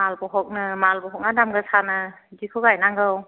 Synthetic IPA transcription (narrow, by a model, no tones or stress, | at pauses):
malbɔɦɔk̚nɯmalbɔɦɔk̚nadamɡɯsanɯ | zikʰɯɡajnaŋɡɯw